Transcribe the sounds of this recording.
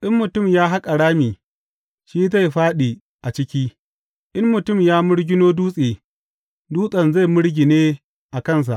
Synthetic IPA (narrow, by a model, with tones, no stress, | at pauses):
ʔɪ˦mːʊ˨tʊ˦˨mjaː˦ɦa˦kʼa˨ɽaː˦miː˨ | ʃiː˦za˦˨jɸaː˦ɗiː˨ | ʔa˨t͡ʃɪ˦kʲiː˦ | ʔɪ˦mːʊ˨tʊ˦˨mjaː˦mʊ˦ɽɡʲɪ˦noː˦duː˦sʼeː˨ | duː˦sʼɐ˨nza˦˨jmʊ˦ɽɡʲi˨neː˦ | ʔa˨kɐ˦˨ns̬a̰˨ʔ